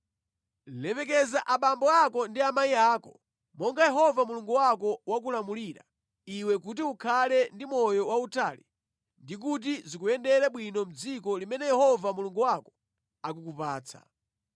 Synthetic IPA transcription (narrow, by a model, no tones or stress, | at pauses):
lɛpɛk̬ɛzaʔaɓambɔakɔndiamaiaːkɔ | mɔŋɡajɛɦɔvamuluŋɡuwakɔwak̬ulamuliɾa̰ | iwɛkut̬iukʰalɛndimɔjɔwautʰaːlḭ | ndik̬ut̬izikuɛndɛɾaɓwinɔm̩d͡zikɔlimɛnɛjɛhɔvamuluŋɡuwakɔ̥ | akukupaːt͡sʰa̰